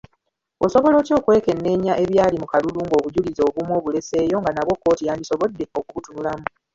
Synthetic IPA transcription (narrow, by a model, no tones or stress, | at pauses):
o̞so̞βo̞lo̞ːco̞ːkue̞ke̞nːe̞ːɲaʔe̞βjaːlimukaluluːŋɡo̞ːβuɟulizo̞ːβumwo̞ːβule̞se̞ːjo̞ŋɡanaβwo̞kːo̞ːtijaːndiso̞βo̞dːe̞o̞kuβutunulamu